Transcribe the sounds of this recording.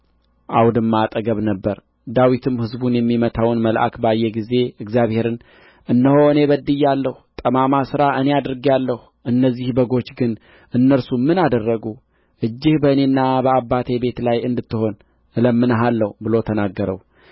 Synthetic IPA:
ʔawd̪ɨmːat̪ʼəɡəβnəbːəɾ | d̪awit̪ʰɨmhɨzbunjɛmːimət̪ʰawnməlʔa̰kbajːɛɡize̞ɨɡzjaβhe̞ɾɨn | ʔɨnːəho̞ɨne̞bəd̪ːɨjːalːəhut̪ʼəmamasɨɾaʔɨne̞ad̪ɾɨɡjalːəhu | ʔɨnːəzːihbəɡo̞t͡ʃːɡɨn | ʔɨnːəɾsumɨnad̪ərːəɡu | ʔɨd͡ʒːɪhbəɨne̞nːabəabːat̪ʰe̞be̞t̪lajɨnd̪ɨt̪ːɨho̞n | ʔɨləmːɨnəɦalːəhubɨlo̞t̪ʰənaɡːəɾə̰w

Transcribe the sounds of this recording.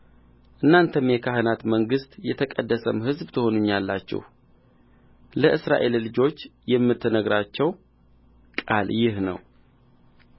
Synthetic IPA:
ʔɨnːant̪ʰəmjɛkʰahɨnat̪məŋɡɨst̪jɛt̪ʰəkʼəd̪ːəsəmhɨzbt̪ʰəho̞nuɲːalːat͡ʃːɛ̰h | ləʔɨsɾa̰ʔe̞llːɨd͡ʒo̞t͡ʃːjɛmːɨt̪ʰːɨnəɡɾat͡ʃːɛw | kʼaljɪhnə̰w

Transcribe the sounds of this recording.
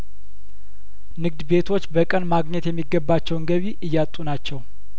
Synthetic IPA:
nɨɡ̚d̪be̞t̪ʰo̞t͡ʃːbəkʼənmaɡɲɛt̪jɛmːiɡːəbːat͡ʃːɛwnɡəβiʔɨjːat̪ʼːunat͡ʃːɛw

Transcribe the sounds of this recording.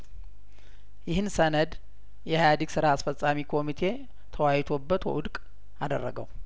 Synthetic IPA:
jɪhɨnsənəd̪ | jɛhajad̪iɡsɨɾaːsfət͡sʼːamikʰo̞mit̪ʰe̞ | t̪ʰəwajt̪ʰo̞bːət̪wɛ̰ʔʊd̪kʼ | ad̪ərːə̰ɡə̰w

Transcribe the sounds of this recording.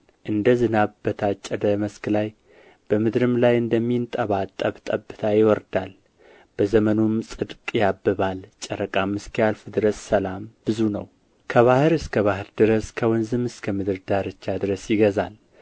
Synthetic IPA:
ʔɨnd̪əzɨnaβbət̪ʰat͡ʃʼːəd̪əməsklaj | b̥əmɨd̪ɾɨmlajɨnd̪əmːint̪ʼəβat̪ʼːəβt̪ʼəbːɨt̪ʰajɪwɔɾd̪al | b̥əzəmənumsʼɨd̪kʼjabːɨβalt͡ʃʼːɛɾəkʼamːɨskjalfd̪ɨɾəsʼsəlambɨzunəw | kʰəβahɨɾɨskʰəβahɨɾd̪ɨɾəskʰəwɔnzɨmɨskʰəmɨd̪ɨɾd̪aɾɨt͡ʃːad̪ɨɾəsjɪɡəzal

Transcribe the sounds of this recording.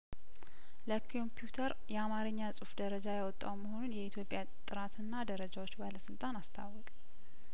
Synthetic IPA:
ləkʰo̞mpʰjut̪ʰəɾ | jɛamaɾɨɲːasʼufd̪əɾəd͡ʒajawɔt̪ʼːa̰wməho̞nunjɛit̪ʰjo̞pʼja | t̪ʼɨɾat̪ʰɨnːad̪əɾəd͡ʒawot͡ʃːbaləsɨlt̪ʼanast̪ʰa̰wɔkʼ

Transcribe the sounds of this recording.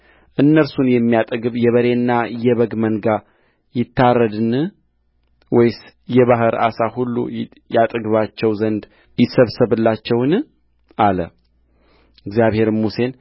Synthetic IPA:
ʔɨnːəlsunjɛmːijat̪ʼəɡɨβjɛβəɾe̞nːajɛβəɡmənɡa | jɪt̪ʰːarːəd̪ɨn | wɔjs | jɛβaɦɨɾa̰sahulːṵ | jat̪ʼɨɡɨβat͡ʃːɛwzənd̪ | jɪsəβsɨβɨlːat͡ʃːɛwn | ʔalə | ɨɡzjaβhe̞ɾmuse̞n

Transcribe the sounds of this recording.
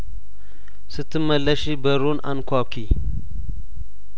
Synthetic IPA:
sɨt̪ʰːɨmɐlːɐʃibɐɾuna̰nkʰʷawkʰi

